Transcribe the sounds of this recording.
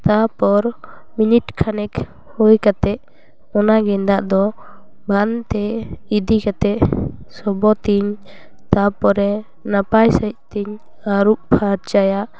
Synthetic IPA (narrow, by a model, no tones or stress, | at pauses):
t̪apɔɾ | miniʈkʰanɛk | hujkat̪ɛʔ | ɔnaɡɛnd̪aʔd̪ɔ | bʱant̪ɛid̪ikat̪ɛʔsɔbɔt̪iɲ | t̪apɔɾɛ | napajsaʔ̚t̪iɲ | aɾuʔpʰaɾt͡ʃajaʔ